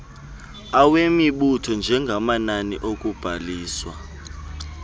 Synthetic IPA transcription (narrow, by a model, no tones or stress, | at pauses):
awemiɓutʰɔnd͡ʒʱɛŋɡʱamananḭʔok̬ʼub̥ʱaliːswa̰